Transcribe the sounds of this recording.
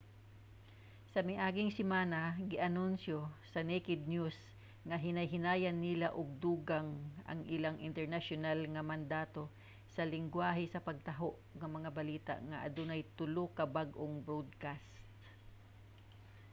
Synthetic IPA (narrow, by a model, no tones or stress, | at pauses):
sɐmɪʔaːɡɪŋsɪmaːnaɡɪʔɐnʊnsjosɐnɛkɪd̪̚njus | ŋɐɦɪnɐjɦɪnaːjanːɪlaʔoɡ̚d̪uːɡaŋɐ̰ŋʔɪlaŋʔɪ̰nt̪ɛɹnaʃonalŋɐmɐnd̪aːt̪o̞ | sɐlɪŋɡwaːɦɛsɐpɐɡ̚t̪ɐɦoʔŋɐmɐŋabɐliːt̪a̰ʔŋɐʔɐ̰d̪ʊnajt̪ʊlokɐbaɡʔoŋbɹod̪̚kast̪